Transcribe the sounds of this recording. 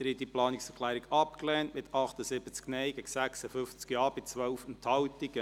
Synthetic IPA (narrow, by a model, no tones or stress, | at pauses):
əɾidiplɑːnɪksəɛɾkʰlɛːɾiɡɑpklɛːntmɪt̪ʰɑχt̪əsɪbət͡sknɛɪɡɛɡ̥sæksəfʏft͡skjɑːb̥ɪt͡sʋœlfənthɑwtiɡə